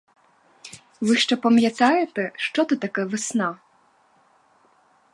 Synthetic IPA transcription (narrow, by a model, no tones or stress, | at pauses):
ʋɨʃt͡ʂɛpɐmʲjɐt̪ɑjɛt̪ɛʃt͡ʂɔt̪ɨt̪ɐkɛʋɨsna